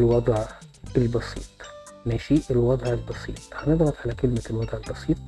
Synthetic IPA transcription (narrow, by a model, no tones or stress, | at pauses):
lwɑd̪ˤʕelbɑsḭːt̪ˤmæːʃiːʔelwɑd̪ˤʕelbɑsˤḭːt̪ˤhæneb̪ɣɑt̪ˤʕalækelmælwɑd̪ˤʕelbɑsˤiːt̪̚ˤ